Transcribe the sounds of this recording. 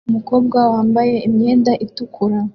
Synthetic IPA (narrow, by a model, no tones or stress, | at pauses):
umuko̞ːb̚ɡawaːmbaje̞imɲe̞ːndaʔitukʰuɾa